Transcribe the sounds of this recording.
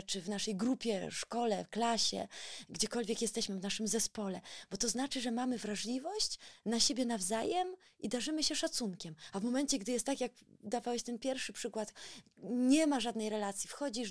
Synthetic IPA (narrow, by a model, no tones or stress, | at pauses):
t͡ʂɘvnaʂɛjɡɾupʲjɛʂkɔlɛfklaɕɛ̰ɡd͡ʑɛkɔlvʲjɛkjɛst̪ɛɕmɘvnaʂɘmzɛspɔlɛb̥ɔt̪ɔznat͡ʂɘʐɛmamɘvɾaʐlʲivɔɕt͡ɕnaɕebʲjɛnavzajɛmʔid̪aʐɘmɘɕɛʂat̪suŋkʲɛmavmɔmɛnt͡ɕɛɡd̪ɘjɛst̪ːakʲjakd̪avawɛɕt̪ɛnpʲjɛɾfʂɘpʂɘkwat̪ | ɲɛmaʐad̪nɛjɾɛlat̪sʲjifxɔd͡ʑi